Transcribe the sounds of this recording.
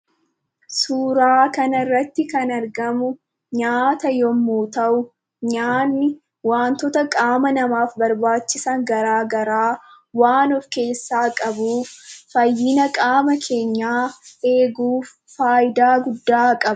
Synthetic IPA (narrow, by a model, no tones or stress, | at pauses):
suːɾaːkɐnɐrːɐt̪ːɪkɐnɐɾɡɐmʊ | ɲaːt̪ɐjɔmːuːt̪ɐʔʊ | ɲaːnːɪ | waːnt̪ɔt̪ɐkʼaːmɐnɐmaːfbɐɾbaːt͡ʃːɪsɐŋɡɐɾaːɡɐɾaː | waːnɔfke̞ːsːaːkʼɐbuːfɐjːɪnɐkʼaːmɐkʰe̞ːɲːaːe̞ːɡuːfːaːjɪd̪aːɡʊd̪ːaːkʼɐbɐ